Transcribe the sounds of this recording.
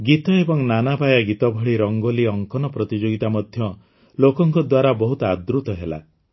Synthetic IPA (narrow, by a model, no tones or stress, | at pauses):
ɡit̪ɔebɔŋnanabajaɡit̪ɔbʱɔɭiɾɔŋɡoliɔŋkɔnɔpɾɔt̪id͡ʒoɡit̪amɔd̪ʱjɔ | lokɔŋkɔd̪waɾabɔɦut̪ɔad̪ɾut̪ɔɦela̰